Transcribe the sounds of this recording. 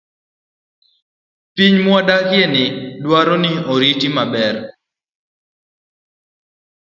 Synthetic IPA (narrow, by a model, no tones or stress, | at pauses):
piɲmwadakɪɛnɪdwaɾɔnɪoɾitimabɛr